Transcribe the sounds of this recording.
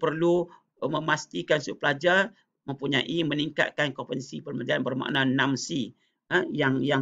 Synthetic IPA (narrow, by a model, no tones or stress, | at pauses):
pərlu | mə̃mast̪ikansuplad͡ʒar | mə̃mpuɲaʔiməniŋka̰t̪̚kankɔpənsipərməd͡ʒanbərma̰ʔnãnãmsi | əjaŋjaŋ